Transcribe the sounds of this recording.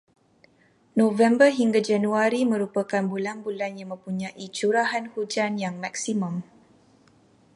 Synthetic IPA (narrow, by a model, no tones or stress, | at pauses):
novɛmbərɦiŋɡad͡ʒanuaɾimə̃ɾupakanbulanbulanjaŋmə̃mpuɲãʔit͡ʃuɾaɦanhud͡ʒanjaŋmaksimɔ̃m